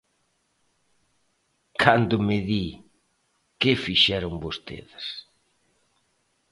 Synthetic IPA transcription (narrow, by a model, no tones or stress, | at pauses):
kʰand̪ʊmɪði | kɪfiʃɛɾʊŋbost̪ḛðɪs